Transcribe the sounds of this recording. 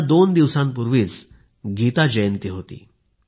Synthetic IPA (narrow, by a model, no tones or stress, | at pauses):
d̪ond̪iʋsãmpuɾʋiːt͡s | ɡʱit̪ad͡ʑəjənt̪iɦot̪ḭː